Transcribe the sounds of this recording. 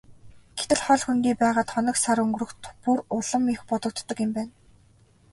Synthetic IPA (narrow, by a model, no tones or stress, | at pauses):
ɡ̥e̥t̪ɘ̆ɮχɔɮxunt̪iːpæːʁaːt̪χɔnɞ̆ksaɾɵŋɡɾɵ̆xt̪purʊɮə̆mixpʊt̪ɞ̆k̚t̪ːɞ̆kɪ̆mpæːn